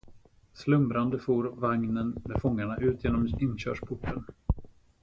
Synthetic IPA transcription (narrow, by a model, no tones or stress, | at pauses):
slɵmbɾand̪əfuːɾvaŋnənmɛd̪fɔŋːaɳaʔʉ̟ːt̪ʰjeːnɔmɪnːɕœ̰ːʂpʰʊʈʰːən